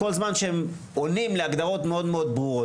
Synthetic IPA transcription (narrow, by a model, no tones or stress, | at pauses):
ko̞lzmanʃeem | onimleaɡd̪aʁo̞t̪meo̞d̪meo̞d̪̚bʁuʁo